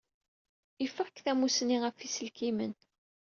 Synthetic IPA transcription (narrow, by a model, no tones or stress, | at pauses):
ifːəʁkθæmusniʁəfisəlkimə̰n